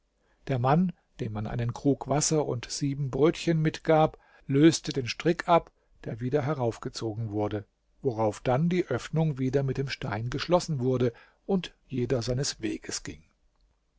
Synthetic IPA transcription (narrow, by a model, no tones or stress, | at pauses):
d̥eːɐman | d̥eːmːanʔa̰ɪnənkʁ̥uːkv̥asɐʔʊ̰ntz̥iːbm̩bʁøːtçənmɪtɡ̥aːp | løːstədeːnʃtʁ̥ɪkʰʔap | d̥eːɐviːdɐɦɛʁaʊfɡ̥ət͡soːɡŋ̩vʊɐdə | voʁaʊfd̥andiːʔœfnʊŋviːdɐmɪt̚d̥eːmʃtaɪnɡəʃlɔsn̩vʊɐdə | ʔʊntjeːdɐzaɪnəsv̥eːɡəsɡ̥ɪ̰ŋ